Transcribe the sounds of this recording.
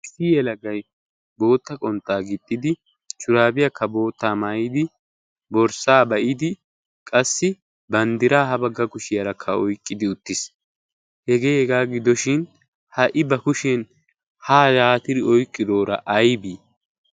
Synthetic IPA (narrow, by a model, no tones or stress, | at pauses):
sijɛlɐɡɐj | bo̞ːt̪ːɐkʼɔnt̪ːaːɡɪt̪ʼːɪd̪ɪ | t͡ʃʼʊɾaːbɪjɐkʰːɐbo̞ːt̪ːaːmaːjɪd̪ɪ | bɔɾsaːbɐʔɪd̪ɪ | kʼɐsːɪ | bɐnd̪ɪɾaːɦɐbɐɡːɐkʊʃɪjɐɾɐkʰːɐɔjkʼːɪd̪ɪʊt̪ːɪs | hɛɡe̞ːhɛɡaːɡɪd̪ɔʃɪn | hɐʔɪbɐkʊʃɛn | haːjaːt̪ɪd̪ɪɔjkʼːɪd̪o̞ːɾɐ̰ʔɐjbiː